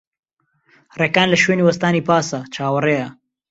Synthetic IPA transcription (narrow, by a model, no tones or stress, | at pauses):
reːkaːnlɐʃweːniːwɐst̪aːniːpaːsɐt͡ʃʰaːwɐreːjɐ